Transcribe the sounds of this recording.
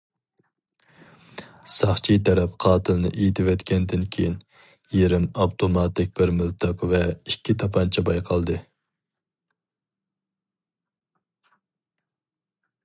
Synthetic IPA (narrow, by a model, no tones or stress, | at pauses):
sɑχt͡ʃʰit̪ʰɛɾɛpqʰɑːt̪ʰɨlnɨ̰ʔejt̪ʰɪwɛt̪kʲɛnd̪ɪnkʲʰejin | jeɾɪmɑwt̪ʰomɑt̪ɪk̚ʲbɪɾmɪlˠt̪ʰəqvɛikʲʰːit̪ʰɑpʰɑnt͡ʃʰɛbɑjqʰɑlˠd̪ɨ